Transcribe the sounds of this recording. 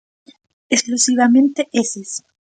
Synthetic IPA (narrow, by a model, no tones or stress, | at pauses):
esklusiβamẽnt̪eʔeses